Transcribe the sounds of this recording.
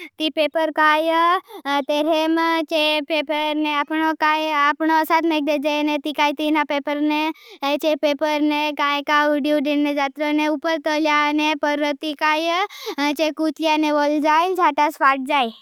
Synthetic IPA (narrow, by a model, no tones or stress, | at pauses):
t̪ipepəɾkaj | t̪eɾemt͡ʃepepəɾneapɳokajapɳoəsat̪meɡ̚d̪ed͡ʒajnet̪ikajt̪inapepəɾnet͡ʃepepəɾnekãjkaɖjuɖinːed͡ʒat̪ɾoneupəɾt̪əljanepəɾət̪ikajt͡ʃekut̪janeʋəld͡ʒajnt͡ʃʰaʈasʋaʈ̚d͡ʒaj